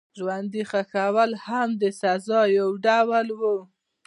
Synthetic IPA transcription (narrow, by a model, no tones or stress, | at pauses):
ʒwand̪ixaxawalhamd̪əsazɑjawɖawalwu